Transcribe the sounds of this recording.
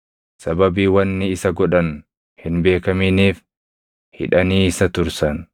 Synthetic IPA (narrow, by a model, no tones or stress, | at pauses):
sɐbɐbiːwɐnːɪɪsɐɡɔᶑɐn | hɪnbe̞ːkɐmɪniːf | hɪ̰ᶑɐniːɪsɐt̪ʊɾsɐn